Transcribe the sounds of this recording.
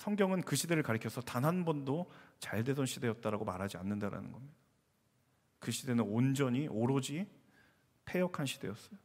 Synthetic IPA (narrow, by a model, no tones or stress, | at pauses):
sʰʌŋɡjʌŋɯnkɯɕʰide̞ɾɯɭkaɾɯkʰʌsʰʌtanɦanbʌndot͡ɕaɭde̞dʌnɕʰide̞jʌt̚t͈aɾaɡomaɾɦad͡ʑianːɯndaɾa̰nɯ̰nɡʌmɲid̥a | kɯɕʰide̞nɯnond͡ʑʌɲiʔoɾod͡ʑi | pʰe̞jʌkʰanɕʰid̥e̞̰jʌs͈ʌjo